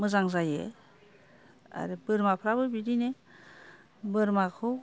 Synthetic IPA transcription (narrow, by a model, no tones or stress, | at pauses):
mɯzaŋzajḛ | a̰ɾebɯɾmapʰɾabɯbidine | bɯɾmakʰɯw